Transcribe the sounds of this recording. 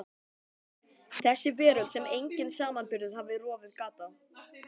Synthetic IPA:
θɛsːɪvɛːɾʏt̪sɛmejɲcɪnsaːmanpɪɾðʏð̥havɪrɔːvɪðkaːt̪a

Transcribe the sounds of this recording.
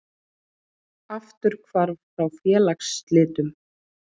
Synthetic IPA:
aft̪ʏɾ̥kʰvaɾfɾawfjɛːlakst̪lɪːt̪ʏm

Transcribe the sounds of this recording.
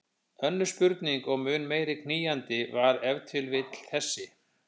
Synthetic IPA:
œnːʏ̥spʏɾt̪niŋkɔɣmʏːnmeːjɾɪkʰniːjant̪ɪvaɾɛvt̪ʰʏlvɪt̪l̥θɛsːɪ

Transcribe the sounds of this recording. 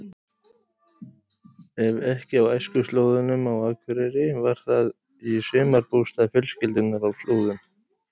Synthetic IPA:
ɛvɛhcɪawajskʏst̪loːwðʏnʏmawaːkʰvɪɾɛɾɪvaɾ̥θað | isɪːmaɾpuːst̪afjʏlscɪlt̪ɪnaɾawst̪loːwðʏm

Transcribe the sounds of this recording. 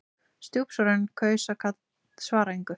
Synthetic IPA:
st̪juwpsɔɾɪnkʰœːɥsakʰat̪ | svaːɾaijŋkʏ

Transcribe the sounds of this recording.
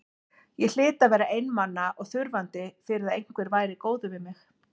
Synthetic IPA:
jɛɣl̥ɪːt̪avɛːɾaʔejnmanːaʔɔɣθʏɾvant̪ɪfɪɾɪθaðejŋ̥kvɛɾvaːjɾɪkoːwðʏvɪðmɪx

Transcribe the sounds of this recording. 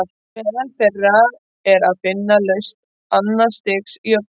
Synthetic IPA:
ɛɾanθɛrːað | ɛɾaðfɪnːalœɥst̪ | anːast̪ɪksiœp

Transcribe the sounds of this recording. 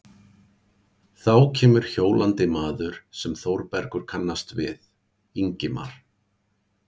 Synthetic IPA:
θawcʰɛːmʏɾ̥çoːwlʔant̪ɪmaːðʏɾ̥sɛmθowɾpɛɾkʏɾ̥kʰanːast̪vɪ̰ð | iɲcɪma̰ɾ̥

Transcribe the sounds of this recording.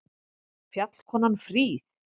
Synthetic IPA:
fjat̪l̥kʰɔːnanfɾiːθ

